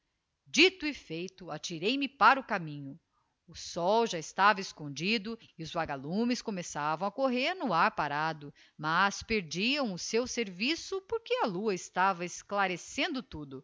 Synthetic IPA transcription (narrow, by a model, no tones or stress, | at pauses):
d͡ʒit̪ʊifejt̪ʊat͡ʃiɾejmɪpaɾɐʊkamĩɲʊ | ʊsɔwʒaest̪avɐeskõnd͡ʒid̪ʊiʊzvaɡalũmɪskomesavɐ̃w̃akoɦeɾnʊaɾpaɾad̪ʊ | maspeɾd͡ʒiɐ̃w̃ʊsewseɾvisʊpoɾkeɐluɐɪst̪avɐesklaɾesẽnd̪ʊt̪ud̪ʊ